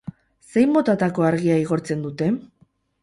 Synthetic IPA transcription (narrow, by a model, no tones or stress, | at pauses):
se̞jmbo̞t̪at̪ako̞aɾɣiaiɣ̞o̞ɾt͡se̞nd̪ut̪e̞